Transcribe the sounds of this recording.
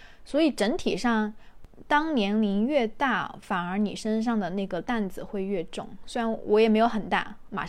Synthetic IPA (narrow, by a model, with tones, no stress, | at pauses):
swɔ˧˥i˨˩ʈ͡ʂə˧˥nt̪ʰḭ˨˩ʂɑ˥˩ŋt̪ɑ˥ŋnjɛ˧˥nli˧˥nɥɛ˥˧t̪a˥˩fa˨˩nə˞˧˥ni˨˩ʂə˥nʂ̬ɑ˥˩ŋd̪ə˩na˥˩ɡə˩t̪a˥˩nd͡zɹ̩˨˩xwe˥˧ɪɥɛ˥˧ʈ͡ʂʊ̰˥˩ŋse˥ɪɻa˧˥nwʔɔ˧˥jɛ˨˩me˧˥ɪo˧˥ʊxə˨˩nt̪a̰˥˩ma̰˨˩